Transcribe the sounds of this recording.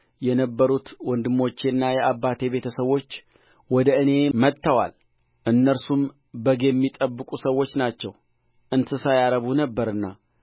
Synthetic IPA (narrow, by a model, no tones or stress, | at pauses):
jɛnəbːəɾut̪wɔnd̪ɨmo̞t͡ʃːenːajɛʔabːat̪ʰe̞be̞t̪ʰəsəwo̞t͡ʃː | wɔd̪əɨne̞mət̪ʰːəwa̰l | ʔɨnːəɾsum | bəɡejɛmːit̪ʼəbːɨkʼusəwːo̞t͡ʃːnat͡ʃːɛw | ʔɨnt̪ʰɨsajaɾəβunəbːəɾɨnːa